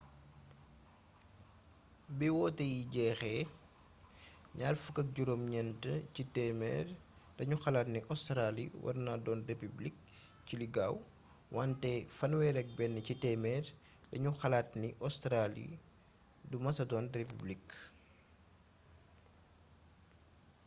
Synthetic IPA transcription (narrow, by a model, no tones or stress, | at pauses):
biwɔːtɛjiɟɛːxɛ | ɲaːrfukɐk̚ɟuɾomɲɛntəcitɛːmɛ̰ːr | dɐɲuxɐlaːtniʔɔstɾalḭwʔɐ̰rnadɔːnrepyblik̚ | ciliɡaːw | wʔantɛfɐnwɛɾɛk̚bɛnːəcitɛmɛːr | dɐɲuxɐlaːtniʔɔstɾalḭ | dumɐsɐdɔːnrepyblik